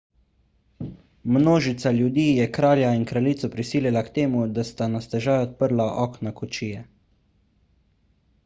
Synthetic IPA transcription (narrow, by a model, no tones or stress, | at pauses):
mnoːʒit̪saljud̪iːjɛkɾaːljainkɾaliːt̪sɔpɾisiːljilakt̪eːmud̪ast̪anast̪ɛʒaːjɔt̪̚pəɾlaʔɔːknakɔt͡ʃiːjɛ